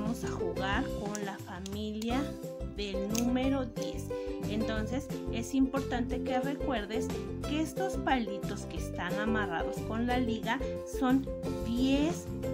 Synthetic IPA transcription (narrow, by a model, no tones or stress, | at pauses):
mo̞saxuɣaɾko̞nlafamiljaðe̞lnũme̞ɾo̞ðje̞̰sent̪o̞nse̞se̞simpo̞ɾt̪ant̪e̞ke̞re̞kwe̞ɾðe̞s | keest̪o̞spalit̪o̞skest̪anamara̰ðo̞sko̞nlaliɣa | so̞nd̪jes